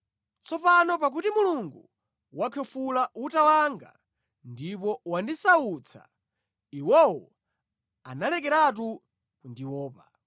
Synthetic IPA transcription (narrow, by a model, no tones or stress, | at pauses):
t͡sʰɔpanɔp̬ak̬utimuluŋɡu | wakʰɛfulautawaŋɡa̰ | ndipɔwandisaut͡sʰa̰ | iwɔwɔ | a̰nalɛk̬ɛɾat̬u | kundiwɔːpa